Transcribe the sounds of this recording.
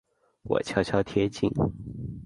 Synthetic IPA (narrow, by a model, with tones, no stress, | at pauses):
wɔ̰˨˩t͡ɕʰjɑ˥ʊt͡ɕʰjɑ˥ʊt̪ʰjɛ˥t͡ɕḭ˥˩n